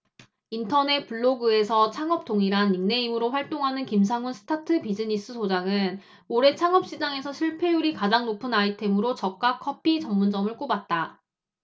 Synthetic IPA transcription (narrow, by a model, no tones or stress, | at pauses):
intʰʌne̞t̚p͈uɭːoɡɯe̞sʰʌt͡ɕʰaŋʌp̚t͈oŋiɾaniŋne̞imɯɾoɸwaɭt͈oŋɦanɯnkims̬ʰaŋunsʰɯ̥tʰatʰɯpid͡ʑɯɲis͈ɯsʰod͡ʑaŋɯn | oɾe̞t͡ɕʰaŋʌp̚ɕ͈id͡ʑaŋe̞sʰʌɕʰiɭpʰe̞uɾikad͡ʑaŋnopʰɯnaitʰe̞mɯɾot͡ɕʌk̚k͈akʰʌpʰit͡ɕʌmːund͡ʑʌmɯɭk͈obat̚t͈a